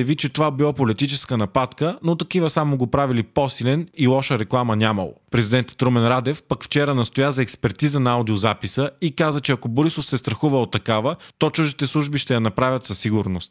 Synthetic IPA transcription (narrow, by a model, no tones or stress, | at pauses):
ɐvit͡ʃɛt̪ovabilˠapolit̪it͡ʃɛskənɐpat̪kənot̪ɐkivəsamoɡopɾavilipɔsilɛnilˠɔʃəɾɛklˠamɐnʲamɐ̰lˠo̰pɾɛzid̪ɛnt̪ə̥t̪ɾomɛnɾad̪ɛfpɐkft͡ʃɛɾənɐst̪ojazɐɛkspɛɾt̪izənɐad̪iozapisəikazət͡ʃɛɐkoboɾisofsɛst̪ɾɐxuvəot̪ːɐkavət̪ɔt͡ʃuʒd̪it̪ɛslˠuʒbiʃt̪ɛjɐnɐpɾavʲɐt̪sɐsiɡʊɾnost̪̚